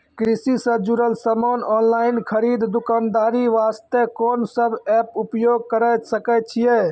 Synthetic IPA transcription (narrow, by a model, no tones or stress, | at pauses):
kɾisisəd͡ʒuɾəlsəmonɔnlaɪnkʰəɾid̪d̪ukand̪aːɾiʋast̪ekonsəbʱɛpupjoɡ̚kəɾəsəkɛt͡ʃʰije